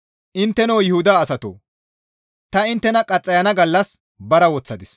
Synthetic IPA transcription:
ʔɪnt̪ːɛnowjɪhʊd̪aːsɐt̪o̰ː | t̪ɐɪnt̪ːɛnɐkʼɐt͡sʼːɐjɐnɐɡɐlːɐs | bɐɾɐwɔt͡sːɐd̪ɪs

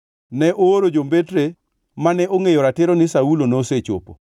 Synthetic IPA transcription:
nɛʔoːɾod͡ʒombetɾe | manɛʔoŋejoɾatɪɾonɪsaulonoːset͡ʃo̰po̰

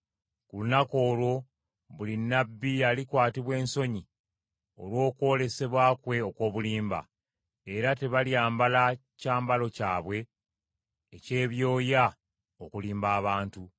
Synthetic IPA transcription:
kulunako̞ːlwo̞ | βulinːabːialikwaːtiβwe̞ːnso̞ɲi | o̞̰lwo̞ːkwo̞ːle̞se̞βwaːkwe̞o̞kwo̞ːβuliːmba̰ | eɾate̞βaljaːmbala | caːmbalo̞caːβwe̞ | ce̞ːβjo̞ːja | o̞kuliːmbaːβaːntu

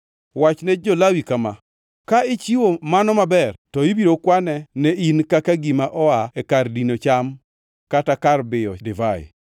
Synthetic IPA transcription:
wat͡ʃnɛd͡ʒolawikama̰ | kaɪt͡ʃiwomanɔmabɛrtɔibiɾokwanɛnɛinkakaɡimaʔɔaɛkardinot͡ʃam | katakarbɪɔdɪvaɪ̰

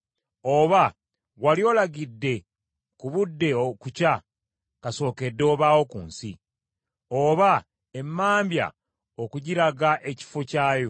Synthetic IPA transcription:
oβa | walio̞laɡidːe̞ | kuβudːe̞okuca | kaso̞ːke̞dːo̞βawo̞kṵːnsi | oβa | emːaːmbja̰ | okuɟiɾaɡaʔe̞ci̥focaːjo

